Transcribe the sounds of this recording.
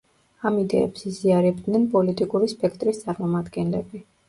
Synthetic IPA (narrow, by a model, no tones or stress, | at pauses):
amid̪ɛ̰ːpsiziaɾɛb̚d̪nɛnpʼɔlit̪ʼikʼuɾispʼɛkʰt̪ʼɾist̪sʼaɾmɔmad̪ɡɛnlɛbi